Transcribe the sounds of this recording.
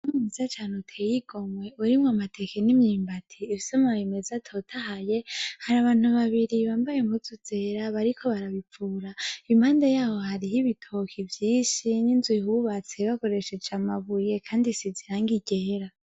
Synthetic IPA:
umizat͡ʃaːnutʰejiɡ̥o̞mwe̞uɾimŋamatʰe̞kenimɲiːmbatʰiːβisomaβimezatʰo̞tʰahaje̞haɾaβaːn̥uβaβiɾiβaːmbajemuzuz̥e̞ɾaβaɾikʰo̞βaɾaβip͡fuːɾaimaːndajaːho̞haɾiɦiβitʰokʰivjiːʃininzwihuβat͡se̞βako̞ɾe̞ʃe̞d͡ʒamaβuje̞kʰaːndisiziɾaːŋɡiɟeːɾa

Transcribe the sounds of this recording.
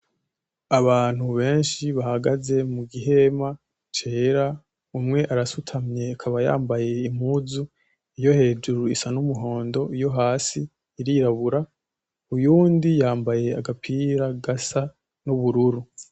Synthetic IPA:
aβaːn̥huβe̞ːnʃiβahaɡaze̞muɡiɦe̞ma | t͡ʃe̞ːɾa | umŋe̞ʔaɾasutʰamɲe̞akʰaβaja̰ːmbaje̞im̥huzu | ijo̞he̞ːd͡ʒuɾuisanumuɦo̞ːndo̞ijo̞ɦaːsiː | ɾiːɾaβuɾa | ujuːndijaːmbaje̞aɡapʰiɾaɡasa | nuβuɾuɾu

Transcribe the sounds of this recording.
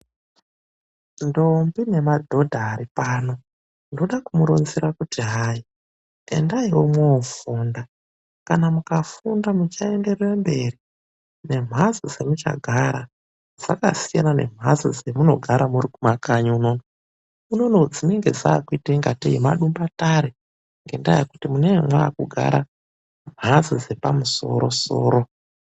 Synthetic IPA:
ndombine̞madʱo̞dʱaːɾipaːno̞ | ndoɗakumuɾonziɾakutiɦaːi | ḛndaiwo̞mwoːfuːnda | kanamukafundamut͡ʃae̞nde̞rerembe̞ri | ne̞m̤azod͡ze̞mut͡ʃa̰ɡʱaɾa | d͡za̰kasijanane̞̰m̤ʱazid͡zemuno̞ɡʱaɾamurikumakaɲaunono | uno̞nod͡zineŋɡe̞d͡zaːkuitaŋɡatiimaɗumbataɾe | ŋɡe̞ndajekutimunewemwaːkuɡʱa̰ɾa | m̤ʱazid͡ze̞pamuso̞̰ɾo̞so̰ːɾo̞

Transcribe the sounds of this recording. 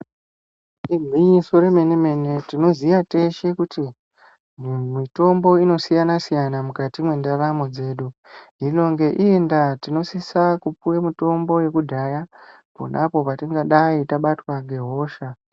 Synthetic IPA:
ibʱwiɲiso̞ɾe̞me̞ne̞me̞ne̞tino̞zijate̞ʃe̞kuti | mito̞mbo̞ino̞sijanasijanamukatimwe̞ndaramo̞d͡ze̞ːɗuino̞ŋɡe̞ʔiendatino̞sisakupuwemito̞mbo̞je̞kudʱaja | po̰nʔapo̞patiŋɡaɗaitaɓatwaŋɡe̞ɦo̞ːʃa

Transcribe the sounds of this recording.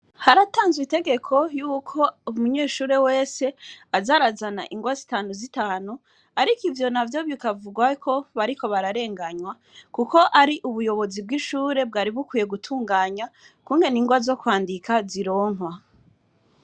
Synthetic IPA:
haɾataːnzwite̞ɡe̞kʰo̞juːkʰo̞umuɲeːʃuːɾe̞we̞ːse̞azaɾazanaʔiŋɡwazitaːnuzitaːnu | aɾikivjo̞navjo̞βikavuɡwakʰo̞βaɾiko̞βaɾaɾe̞ːŋɡaɲwa | kuko̞ʔaɾiʔuβujo̞βo̞zibɡiʃuːɾe̞b̚ɡaːɾiβukwiːje̞ɡutʰuːŋɡaːɲa | kuːŋɡe̞niːŋɡwazo̞kwaːndikʰaziɾo̞ːŋwa

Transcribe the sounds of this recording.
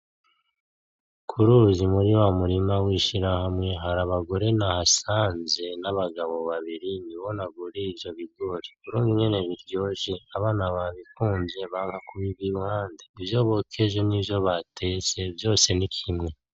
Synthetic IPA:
kʰuɾuzimuɾiwamuɾimawiʃiɾahamŋe̞ɦaɾaβaɡo̞ɾe̞nahasaːnze̞naβaɡaβo̞βaβiɾiniβo̞naɡuɾeivjo̞βiɡo̞ːɾeuɾuːŋɡiɲe̞ne̞βiɾɟo̞ːʒe̞aβaːnaβaːβikuːnze̞βaːŋhakuβiβiwaːndeivjo̞βo̞kʰe̞ʒe̞nivjo̞βatʰe̞t͡se̞vjo̞ːse̞nikʰimŋe̞

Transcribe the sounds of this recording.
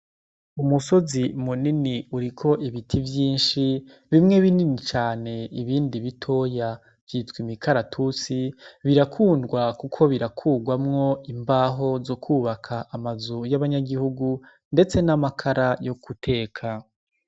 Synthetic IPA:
umuso̞zimuniniuɾikʰo̞ʔiβitʰivjiːnʃi | βimŋe̞βininit͡ʃaːne̞iβiːndiβitʰo̞ːja | vjitwimikʰaɾatʰut͡siβiɾakʰuːndɡwakukʰo̞βiɾakʰuːɡwamŋo̞imbaːɦo̞zo̞kʰuːβakʰaʔamazujaβaɲaɡihuɡu | nde̞t͡se̞namakʰaɾajo̞kutʰe̞ːkʰa

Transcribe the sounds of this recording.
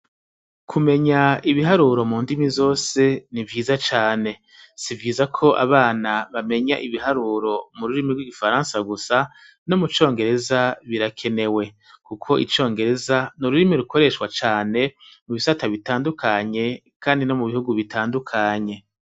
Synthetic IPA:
kʰume̞ɲaiβiɦaɾuːɾo̞muːndimizo̞ːse̞nivɟiːzat͡ʃaːne̞ | sivɟiːzakʰo̞ʔa̰βaːnaβame̞ɲaʔiβiɦaɾuːɾo̞muɾuɾimiɡwiɡifaɾãːnsaɡusa | no̞mut͡ʃo̞ːŋɡe̞ɾe̞zaβiɾakʰe̞ne̞we̞ | kukʰo̞ʔḭt͡ʃo̞ːŋɡe̞ɾe̞zanuɾuɾimiɾuko̞ɾe̞ʃwat͡ʃaːne̞muβisataβitaːndukʰaɲe̞ | kʰaːndino̞muβihuɡuβitaːndukʰaɲe̞

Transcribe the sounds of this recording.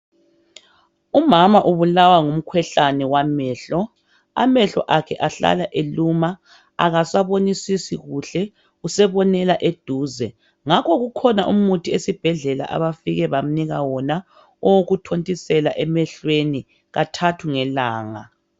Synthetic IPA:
umamaʔuβulawaŋum̩kʰwɛɬanɛwamɛːɬɔ | a̰mɛɬɔ̰ʔakʰɛʔaɬa̰laʔeluma | a̰ɣasaβonisisiɣuɬɛ | usɛβɔnɛlaʔed̥ʱuːzɛ | ŋakʰɔɣukʰɔnaʔumutʰiesib̥ʱɛɮɛla̰ʔa̰βafiɣɛβam̩niɣawɔna | ɔwoɣutʰontʼisɛla̰ʔɛmɛɬweni | ɣatʰatʰuŋɛlaːŋa̰

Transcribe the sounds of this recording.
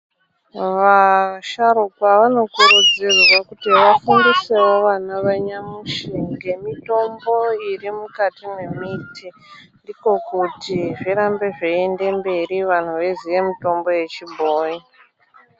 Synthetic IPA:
ʋaʃaɾukwaʋano̞kuɾud͡zirwakutiʋafundise̞wo̞ʋanaʋaɲamuʃiŋɡe̞mito̞mbo̞irimukatime̞mitʰi | ndiko̞kutiʐiɾambe̞ʐeende̞mbe̞ɾiʋan̤uʋe̞ziʋe̞mito̞mbo̞je̞t͡ʃibʱoːi

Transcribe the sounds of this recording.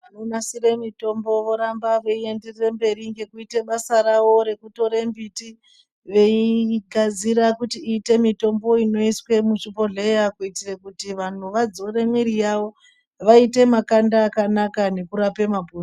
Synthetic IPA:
ʋanonasire̞mito̞mbo̞ʋo̞ɾambaʋe̞ie̞nderirembe̞riŋɡe̞kuite̞ɓasaɾaʋo̞ɾe̞kuto̞ɾembiti | ʋe̞iɡʱad͡ziɾakutiiːte̞mito̞mbo̞ino̞iswe̞muʃupo̞ɮejakuitirekutiʋan̤uʋad͡zo̞re̞miɾijaʋo̞ | ʋaite̞makandaːkanakane̞kuɾape̞mapu

